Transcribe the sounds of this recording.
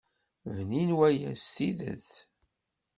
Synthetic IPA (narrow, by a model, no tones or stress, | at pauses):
vninwæjæ̰st̪iðə̰θ